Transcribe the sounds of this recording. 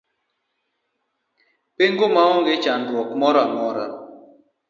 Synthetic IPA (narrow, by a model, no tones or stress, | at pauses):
peŋɡomaɔŋɡet͡ʃandwɔkmɔɾamɔɾa